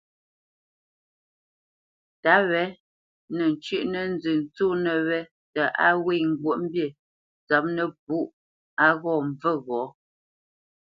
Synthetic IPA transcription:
ta˨˦wɛ˨˦ | nə˨n˨t͡ʃʉ˦ʔnə˦n̩˦d͡zʉ˨n˨t͡su˦nə˨wɛ˦ | tə˨ʔa˦we˦˨ŋ̩˨ɡwə˦ʔm̩˦bje˦˨ | t͡sɔ˨˦p̚nə˦p̚u˦ʔ | a˦ɣɔ˦˨ɱ˨və˦˨ɣɔ˨˦

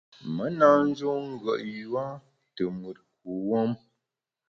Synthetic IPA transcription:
mə˦na˦n̩˦d͡ʒu˦ŋ̩˦ɡə˨ʔju˦a˦ | tə˨mu˨t̚ku˨˦wɔ˦m

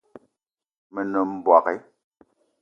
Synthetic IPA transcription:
me˨nɔ˨m̩˦bwa˨kɛ˦

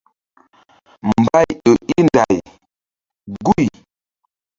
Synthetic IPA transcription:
mm̩˨ba˦jɗo˨i˦nda˨j | ɡu˦˨j

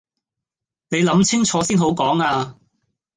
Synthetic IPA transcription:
ne˨˧jlɐ˨˥mt͡sʰɪ˥ŋt͡sʰɔː˨˧siː˥nɦo˨˥wkɔː˨˥ŋaː˧

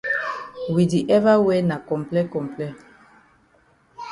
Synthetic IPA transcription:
wi˨di˨ʔɛ˦va˦wɛ˦na˨kɔ̃˨mplɛ˦kɔ̃˨mplɛ˦

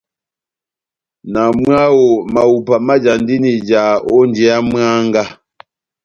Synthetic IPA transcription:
na˨mɰa˦wo˨ma˨wu˨pa˨ma˦d͡ʒa˨n˦di˦ni˨d͡ʒa˨ɔ˦nd͡ʒɛ˨˦a˦mɰa˦ŋ˦ɡa˦

